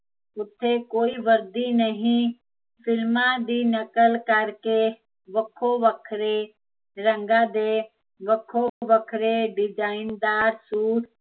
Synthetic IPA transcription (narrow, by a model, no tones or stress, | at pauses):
ʊt̪ʰːekoːiʋəɾd̪inəɦĩ | fɪlmãd̪iːnəkəlkɐɾke | ʋəkʰoʋəkʰɾe | ɾə̃ŋɡãːd̪eː | ʋəkʰoʋəkʰɾeɖɪd͡ʒaːɪnd̪aːɾsuːɾ